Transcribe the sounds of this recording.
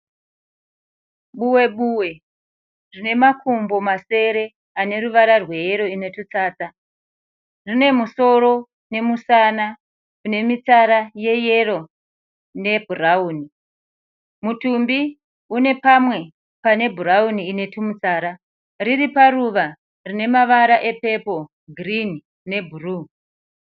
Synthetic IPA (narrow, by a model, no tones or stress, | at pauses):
ɓuwe̞ɓuwe̞ | rine̞makʰumbomase̞ɾe̞ | ane̞ɾuʋaɾarwe̞je̞ɾo̞ine̞tut͡saːt͡sa | rine̞muso̞ɾo̞ | ne̞musana | une̞mit͡saɾaje̞je̞ro̞ | ne̞bʱurauːni | mutumbi | une̞pamwe̞ | pane̞bʱuɾauniːne̞tʰumut͡saːɾa | ririparuʋa | rine̞maʋaɾaʔe̞pe̞po̞ | ɡʱrin | ne̞bʱuruː